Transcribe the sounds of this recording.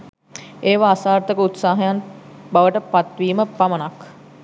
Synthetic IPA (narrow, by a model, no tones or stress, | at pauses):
eːʋaːsaːrt̪əkəut̪saːɦɐjanbaʋəʈəpat̪ʋiːməpamənak